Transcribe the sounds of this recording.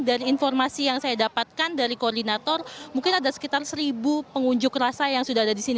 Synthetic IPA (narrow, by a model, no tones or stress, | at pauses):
daɾiːnfɔrmasijaŋsajadapat̪̚kandaɾikoɔrdinat̪ɔrmuŋkɪnadasə̥kit̪arsəɾibupəŋuɲd͡ʒʊkrasajaŋsudahadadisini